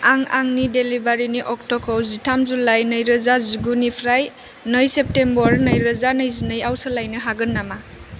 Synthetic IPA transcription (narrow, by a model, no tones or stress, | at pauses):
aŋa̰ŋnidelibaɾiniʔɔk̚tɔkʰowzitʰamzulajnəjɾɐzaziɡunipʰɾaj | nɯjsep̚tembɔɾnəjɾɐzanəjzinəjawsɯlajnɯɦaɡɯnːama